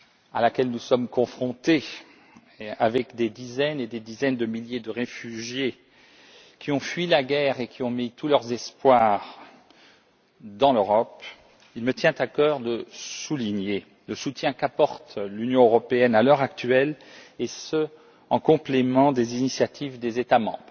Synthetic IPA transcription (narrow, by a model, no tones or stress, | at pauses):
a̰lakʲɛlnusɔmkɔ̃fχɔ̃t̪e | avɛkd̪ed̪izɛned̪ed̪izɛnd̪əmiljed̪əʁefyʒje | kʲiɔ̃fɥilaɡɛʁekʲʰiɔ̃mit̪ulœʁzɛspwaʁ | d̪ɑ̃løʁɔp | ilmət̪jɛ̃t̪akœːʁd̪əsuliɲe | ləsut̪jɛ̃kapɔʁt̪lynjɔ̃øʁɔpeɛnalœʁak̚t̪ɥɛl | esə | ɑ̃kɔ̃plemɑ̃d̪ezinisjat̪ʰivd̪ezet̪amɑ̰̃bʁ